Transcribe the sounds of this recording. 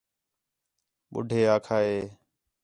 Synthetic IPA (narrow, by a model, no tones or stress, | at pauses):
ɓʊ̰ɖʱeːaːkʰaːɦeː